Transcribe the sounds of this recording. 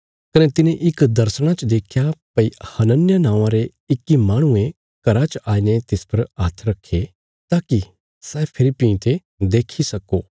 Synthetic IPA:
kɐnet̪ɪnẽʔɪkd̪ɐɾsəɽ̃at͡ʃd̪eːkʰjapɐihɐnənjanãːʋãɾe | ɪkːimaːɽ̃ʊ̃ẽ | kɐɾat͡ʃaːinet̪ɪspɐɾaːt̪ʰɾɐkʰːe | t̪aːki | sɛːpʰɪɾipĩt̪e | d̪eːkʰisɐkoː

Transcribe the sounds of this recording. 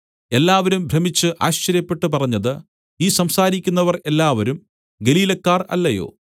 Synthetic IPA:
e̞lːaːʋɐɾumbʱrɐmit͡ɕːɨʔaːɕt͡ɕːɐɾjɐpːe̞ʈːɨpɐrɐɲːɐðɨ | iːsɐmsaːɾikʲːunːɐʋɐre̞lːaːʋɐɾum | ɡe̞liːlɐkːaːrɐ̰lːɐjo̞̰ː

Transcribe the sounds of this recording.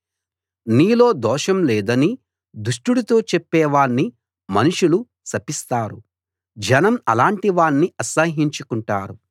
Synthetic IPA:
niːlo̞ːd̪ɔːʂɐmlɛːd̪ɐni | d̪uʂʈuɽut̪o̞ːt͡ʃɛpːɛːʋaːɳːi | mɐnuʂulu | sɐpist̪aːɾu | d͡ʒɐnɐmɐ̰laːɳʈiʋaːɳːiʔɐsɐɦiɲt͡ʃukuɳʈaːɾu

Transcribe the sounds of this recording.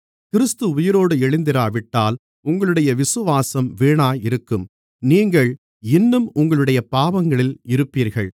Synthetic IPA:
kɪɾɯst̪ɯʊjɪɾoːɽɯɛɻɪnd̪ɪɾaːʋɪʈːaːl | ʊŋɡɐɭɯɽɐjɐʋɪsɯʋaːsɐmʋeːɳaːjɪɾɯkːɯm | niːŋɡɐɭ | ɪnːɯmʊŋɡɐɭɯɽɐjɐpaːʋɐŋɡɐɭɪlɪɾɯpːiːɾɣɐɭ

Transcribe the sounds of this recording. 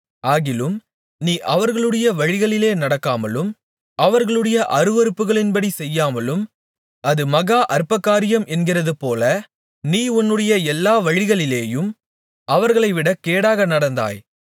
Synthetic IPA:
aːɣɪlɯm | niːʔɐʋɐɾɣɐɭɯɽɐjɐʋɐɻɪɣɐɭɪleːnɐɽɐkːaːmɐlɯm | ɐʋɐɾɣɐɭɯɽɐjɐʔɐɾɯʋɐɾɯpːɯɣɐɭɪnbɐɽisɛjːaːmɐlɯm | ɐðɯmɐɣaːʔɐɾpːɐkːaːɾɪjɐmɛnɡɪrɐðɯpoːlɐ | niːʊnːɯɽɐjɐɛlːaːʋɐɻɪɣɐɭɪleːjɯm | ɐʋɐɾɣɐɭɐɪʋɪɽɐkːeːɽaːɣɐnɐɽɐnd̪a̰ːj

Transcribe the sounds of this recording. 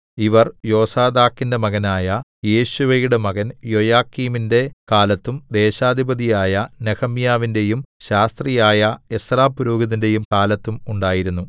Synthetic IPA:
iʋɐrjo̞ːsaːd̪aːkːinde̞mɐɣɐnaːjɐje̞ːɕuʋɐjuɽe̞mɐɣɐnjo̞jaːkːiːminde̞kaːlɐt̪ːumd̪e̞ːɕaːd̪ʱibɐd̪ijaːjɐneɣɐmjaːʋinde̞jumɕaːst̪rijaːjɐesraːpːuɾoːɡɐðinde̞jumkaːlɐt̪ːumuɳɖaːjiɾunːu

